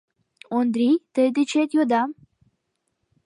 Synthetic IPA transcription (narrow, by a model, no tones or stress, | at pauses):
ond̪ɾit̪əjd̪it͡ɕʰet̪jod̪am